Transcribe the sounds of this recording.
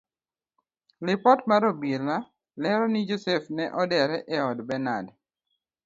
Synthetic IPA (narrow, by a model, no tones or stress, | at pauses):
lɪpɔtmaɾobila | lɛɾɔnid͡ʒosɛfnɛʔɔdɛɾɛʔɛɔdbɛna̰d